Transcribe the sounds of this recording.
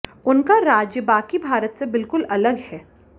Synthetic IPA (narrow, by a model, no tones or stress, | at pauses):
ʊnkaɾaːd͡ʒjəbaːkibʱaːɾət̪sebɪlkʊlɐləɡɦɛː